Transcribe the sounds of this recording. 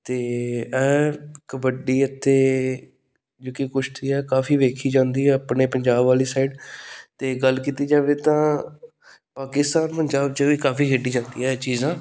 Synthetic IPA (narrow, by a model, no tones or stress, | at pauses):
t̪eːɛːkəbəɖiːət̪ʰːeː | d͡ʒoːkikʊt͡ʃʰt̪iːɛːkaːfʰiːʋeːkʰiːd͡ʒãːnd̪iːɛːəpɳeːpəɲd͡ʒaːbaːliːsaɪɖt̪eːɡəlkiːt̪iːd͡ʒãːʋeːt̪ãː | paːkɪst̪aːnpəɲd͡ʒaːbd͡ʒaːʋiːkaːfiːd͡ʒeɖiːd͡ʒãːnd̪iːɦɛːt͡ʃiːzãː